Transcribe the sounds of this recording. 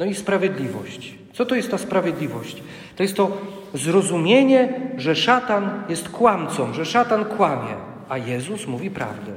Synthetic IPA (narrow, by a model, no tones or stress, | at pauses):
nɔispɾavʲjed̪lʲivɔ̰ɕt͡ɕ | t̪sɔt̪ɔjɛst̪t̪ːaspɾavʲjed̪lʲivɔɕt͡ɕ | t̪ɔjɛst̪ːɔzɾɔzumʲjeɲɛʐɛʂat̪anjɛst̪kwamt̪sɔmʐɛʂat̪ankwamʲjɛ̰ | ajɛzusmuvʲipɾa̰vd̪ɛ̰